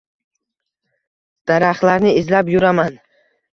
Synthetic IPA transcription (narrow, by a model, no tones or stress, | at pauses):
d̪̥aɾaχlaɾnɪɪzlapjʊɾaman